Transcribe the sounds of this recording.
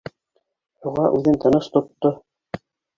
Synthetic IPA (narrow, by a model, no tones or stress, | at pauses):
juʁɑʔʉðɘnt̪ɤ̆nɤʃt̪ŏt̪ːo